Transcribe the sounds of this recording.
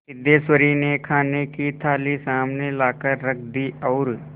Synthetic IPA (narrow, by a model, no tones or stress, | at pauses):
ɪd̪eːswəɾinekʰaːnekit̪ʰaːlisaːmnelaːkəɾːɐkʰd̪iɔːɾ